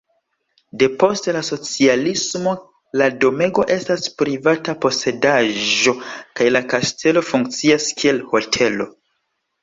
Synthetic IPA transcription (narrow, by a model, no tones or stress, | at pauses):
de̞po̞ste̞laso̞t͡sialismo̞ | lado̞me̞ɡo̞ʔe̞staspɾivatapo̞se̞daʒo̞kajlakastʰe̞lo̞fuŋk̚t͡siaskʰie̞lho̞tʰe̞lo̞